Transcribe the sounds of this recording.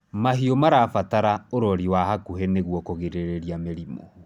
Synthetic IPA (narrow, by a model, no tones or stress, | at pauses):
maɦiomaɾaːfataɾaoɾɔɾiwaɦakuɦɛneɣwɔkoɣeɾeɾeɾjameɾimɔ̰